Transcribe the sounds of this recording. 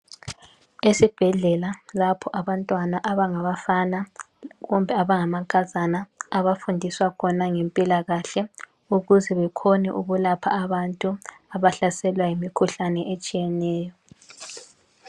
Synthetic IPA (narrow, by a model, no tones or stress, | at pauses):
esib̥ʱɛɮɛlalapʰɔʔaβantʼwanaʔaβaŋaβafana | ɣumbʱɛaβaŋamakʼazanaːβafundʱiswakʰɔnaŋempʼilaɣaɬɛ | uɣuzɛβɛkʰɔnɛ̰ʔuɣulapʰa̰ːβantʼuaβaɬasɛlwajimikʰuɬanɛʔet͡ʃʼijɛnɛːjɔ